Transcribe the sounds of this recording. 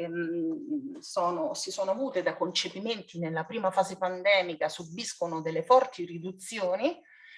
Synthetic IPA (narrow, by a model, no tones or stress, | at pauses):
sɔːnosisoːnoavuːt̪ed̪akont͡ʃepiment̪inelːapɾiːmafaːzepand̪ɛːmikasubːiskonod̪elːefɔrt̪irid̪ut̪sːjoːni